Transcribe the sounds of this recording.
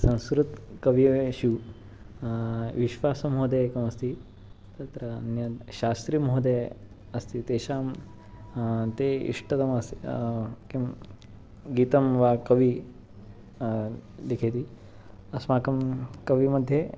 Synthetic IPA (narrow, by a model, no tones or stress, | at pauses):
sɐ̃w̃skɾut̪kɐʋijʃu | ʋiʃʋaːsɐmɦod̪eːkɐmɐst̪i | t̪ɐt̪ɾɐɐnjɐɕaːst̪ɾimɦod̪e | ɐst̪it̪eːʃaːm | t̪eḭʂʈɐt̪ɐmɐsekim | ɡiːt̪ɐmʋaːkɐʋi | likʰet̪i | ɐsmaːkɐmkɐʋimɐd̪ʱje